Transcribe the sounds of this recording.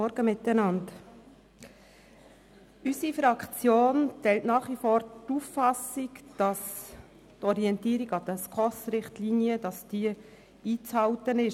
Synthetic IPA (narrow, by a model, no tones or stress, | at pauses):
ɔɾɡ̥əmɪt̪ːənɑnt | ysifɾɑkt͡sjoːntɛltnɑːχʋifɔːɾtufːɑsikd̥ɑs | tɔɾiɛntiːɾiɡɑd̪əskɔsɾɪχtliːnijəd̥ɑsd̥iːə | iːt͡shɑltənɪʃ